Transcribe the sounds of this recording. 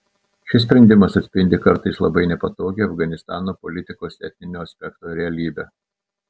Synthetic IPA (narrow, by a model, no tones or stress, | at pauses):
ʃʲɪs̬ʲpʲɾʲɛnʲd̪ʲɪmɐsɐt̪ʲsʲpʲɪnʲd̪ʲɪkɐɾt̪ɐɪslˠɐbɐɪnʲɛpɐt̪oːɡʲeːɐfɡɐnʲɪst̪ɑːnoːpɔlʲɪt̪ʲɪkoːsʲɛt̪ʲmʲɪnʲoːɐsʲpʲɛkt̪oːɾʲɛɐlʲiːbʲɛː